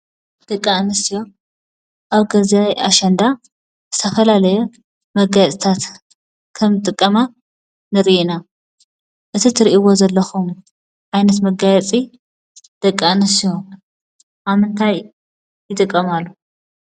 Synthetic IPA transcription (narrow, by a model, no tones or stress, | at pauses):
d̪̥ɐkʼːanɨsijo̞ | ʔaβɡɐzajaʃɐnd̪a | z̥ɨt̪ʰɐfɐlalɐju | mɐɡajt͡sʼt̪ʰat̪ | kʰɐmt̪ʼɨkʼːɐma | nɨɾiʔina | ʔɨt̪ʰit̪ʰɨɾiʔiwo̞zɐlːɐxum | ʕajnɐt̪mɐɡajɛt͡sʼi | d̪̥ɐkʼːanɨsijo̞ | ʔaβmɨnt̪ʰaj | jɪt̪ʼɨkʼːɐmalːu